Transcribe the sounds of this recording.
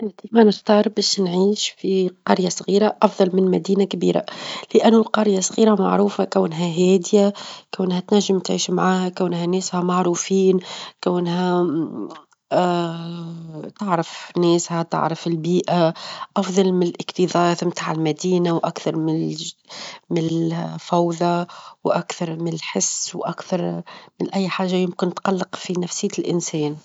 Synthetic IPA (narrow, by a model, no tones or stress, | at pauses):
ʔɪʕt̪imanɪxt̪ɑːɾˤbɛːʃnʕiːʃfiqɑɾjasˤɣiːɾaʔɑfðˤɑlmɪnmæd̪iːnakbḭːɾa̰lɪʔanːʊlqɑɾjasˤɣiːɾama̰ʕɾuːfakawnɦæɦɛːd̪jakawnhæt̪næʒːɪmt̪ʕiːʃmʕaːhakawnhænɛːshæmɑʕɾˤuːfiːnkawnɦæ | t̪ɪʕɾɑfnɛːshæt̪ɪ̰ʕɾˤɑfɪlbiːʔaʔɑfðˤɑlmɪnɪlʔɪqt̪iðˤɑːθmt̪aːʕɪlmæd̪iːnawʔakθɑɾˤmɪ | mɪfawðˤɑwʔakθɑɾˤmɪnɪlħɪsːwʔakθɑɾˤmɪnʔæjːħaːʒːajʊmkɪnt̪qɑlːɪqfinæfsɪjːlʔɪnsɛːn